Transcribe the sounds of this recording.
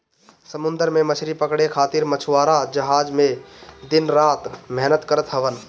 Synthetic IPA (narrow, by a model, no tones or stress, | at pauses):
səmʊ̃nd̪əɾmẽmət͡ʃʰɾipəkɽekʰaːt̪ɪɾmət͡ʃʰwaːɾad͡ʒəɦaːd͡ʒmẽd̪ɪnɾaːt̪mɛɦnət̪kəɾət̪ɦəʋən